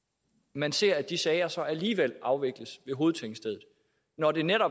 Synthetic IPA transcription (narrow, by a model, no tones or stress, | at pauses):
mænse̝ɐ̰æd̥isɛːɪɐsɒ̽ʔæliːʋel̰ɑ̈ʊʋe̝ɡ̥ləsʋe̝ɦo̝ːð̞̩ˠt͡sʰeŋ̰̥sd̥eðˠð̩ˠ | nɒde̝neɾɒ̽